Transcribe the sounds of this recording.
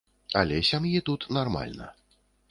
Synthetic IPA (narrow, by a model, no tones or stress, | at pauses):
a̰lʲɛsʲamjit̪ut̪narma̰lʲnɐ̰